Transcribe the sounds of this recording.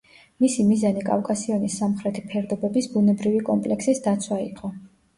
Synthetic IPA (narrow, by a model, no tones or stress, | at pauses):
misimizanikʼa̰fkʼasiɔnisːamχɾɛt̪ʰipʰɛɾd̪ɔbɛbisbunɛbɾivikʼɔmpʼlɛksisd̪at̪sʰwaḭqʼɔ